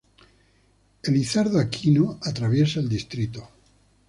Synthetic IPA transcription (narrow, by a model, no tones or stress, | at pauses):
eliθaɾðoakʰinoat̪ɾaβjesaeld̪ist̪ɾit̪o